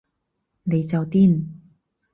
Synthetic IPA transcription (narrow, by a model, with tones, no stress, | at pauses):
le˨˦t͡sa˨˩wt̪i˥˨n